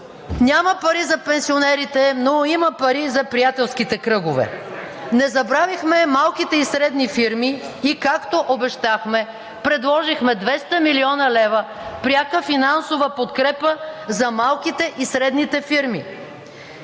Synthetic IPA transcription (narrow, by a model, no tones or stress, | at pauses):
nʲaməpɐɾizɐpɛnsionɛɾit̪ɛnoimɐpɐɾizɐpɾijat̪ɛlˠskit̪ɛkɾɤɡovɛ̰ | nɛzɐbɾavixmɛmalˠkit̪ɛisɾɛd̪nifiɾmiː | kakt̪oʔobɛʃt̪axmɛ | pɾɛd̪lˠɔʒixmɛd̪vɛst̪əmiliɔnɐlɛvə | pɾʲjakəfinansovəpot̪kɾɛpəzɐmalˠkit̪ɛʔisɾɛd̪nit̪ɛfiɾmi